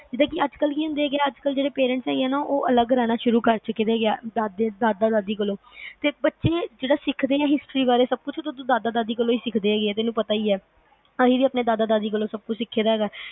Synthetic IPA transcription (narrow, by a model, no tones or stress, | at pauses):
d͡ʒɪd̪ãːkiəd͡ʒkəlkiːɦʊ̃nd̪eːɡɪaːəd͡ʒkəld͡ʒeːɽeːpeːɾɛ̃ɳʈsɛːɡeɛːnaːʔoːʔələɡɾaːnaːʃʊɾuːkəɾt͡ʃʊkeːd̪eːɡɪaːd̪aːd̪eːd̪aːd̪aːd̪aːd̪iːkəlõː | t̪eːbətːʃeːd͡ʒeːɽaːsɪkʰd̪eːɛːɦɪsʈɾiːbaːɾeːsəb̚kʊt͡ʃʰt̪ʊt̪õːd̪aːd̪aːd̪aːd̪iːkəloːiːsɪkʰd̪eːɛːɡeeːt̪ɪnũːpət̪aːiːɛː | əɦiːʋiːaːpneːd̪aːd̪aːd̪aːd̪iːkəlõːsəb̚kʊt͡ʃʰsɪkʰːeːd̪aːɦɛːɡaː